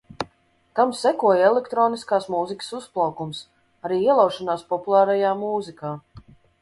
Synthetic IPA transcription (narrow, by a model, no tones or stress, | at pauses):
k̪amsɛkuɔjɛlʲˠɛkt̪ɾɔːniskaːsmuzikə̥susplˠawkums | aɾiːiɛlˠawʃɔnaːspɔpulˠaːɾajaːmuːzikaː